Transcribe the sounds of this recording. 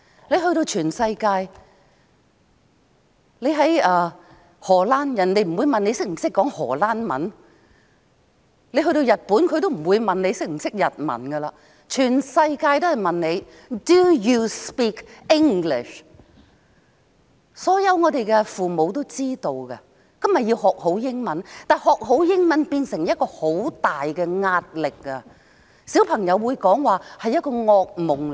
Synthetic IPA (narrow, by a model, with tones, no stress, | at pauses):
le˨˧jɦɵ˧ɥɾo˧wt͡ʃʰyː˨˩nsɐ˧jkaː˧j | le˨˧jɦɐ˨˥jɐː˧ | hɔː˨˩laː˥njɐ˨˩nle˨˧jm̩˨˩wuː˨˧jmɐ˨ne˨˧sɪ˥k̚m̩˨˩sɪ˥kːɔː˨˥ŋhɔ̰ː˨˩laː˥nmɐ̰˨˥n | le˨˧jɦɵ˧ɥɾo˧wjɐ˨t̚puː˨˥nkʰɵ˧t̪o˥wm̩˨˩wuː˨˧jmɐ˨nle˨˧jsɪ˥k̚m̩˨˩sɪ˥k̚jɐ˨t̚mɐ̰˨˩nɡɐ˧laː˧ | t͡ʃʰyː˨˩nsɐ˧jkaː˧jt̪o˥whɐ˨jmɐ˨nne˨˧j | du˨˩juː˧spiː˥kɪ˥ŋɡlɪ̰˨ʃ | sɔː˨˥jɐ˨˧wŋɔː˨˧t̪e˨jkɛ˧fuː˨mo˨˧wt̪o˥wt͡siː˥t̪o˧wkɐ̰˧ | kɐ˥mjɐ˨tji˧whɔː˨k̚ho˨˥wjɪ˥ŋmɐ˨˥nt̪aː˨jhɔː˨k̚ɦo˨˥wjɪ˥ŋmɐ˨˥npiː˧nsɪ˨˩ŋjɐ˥t̚kɔː˧ho˨˥wt̪aː˨jkɛ˧ŋaː˧t̚lɪ˨k̚ːɐ˧ | si˨˥wpʰɐ˨˩ŋjɐ˨˧wːuː˨˧jkɔː˨˥ŋwaː˨˧hɐ˨jːɐ˥t̚kɔː˧ŋɔː˧k̚mʊ˨˩ŋ